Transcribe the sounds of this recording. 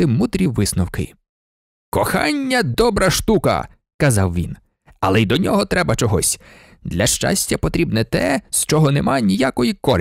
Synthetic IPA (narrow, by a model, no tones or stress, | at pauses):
ɪmud̪ɾʲiʋɪsnɔwkɪ̰ | kɔxɑnʲːɐd̪ɔbɾɐʃt̪ukɐ̰ | kɐzɑwʋʲḭn | ɐlˠɛid̪ɔnʲɔɦɔt̪ɾɛbɐt͡ʃɔɦɔsʲ | d̪lʲɐʃt͡ʃa̰sʲtʲɐpɔt̪ɾʲibnɛt̪ɛst͡ʃɔɦɔnɛmanʲijakɔjikɔɾʲ